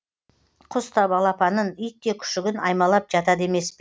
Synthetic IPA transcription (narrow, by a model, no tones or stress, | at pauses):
qʰʊst̪ɑbɑlˠɑpɑnənʏj̚t̪ːe̞kʲʰʏ̥ʃɪɡʲɪnɑjmɑlˠɑp̚ʒɑt̪ɑd̪e̞me̞sp